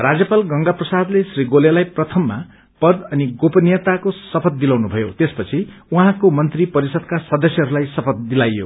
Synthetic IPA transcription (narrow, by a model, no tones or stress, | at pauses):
rad͡zjʌpalɡʌŋɡaprʌsad̪lesriɡolelajprʌt̪ʰʌmːa | pʌd̪ʌniɡopʌnijʌt̪akosʌpʰʌt̪̚d̪ilawnubʱʌjot̪espʌt͡sʰiuɦãkomʌnt̪ripʌɾisʌd̪̚kasʌd̪ʌsjʌɦʌɾulajsʌpʰʌt̪̚d̪ilajːo̰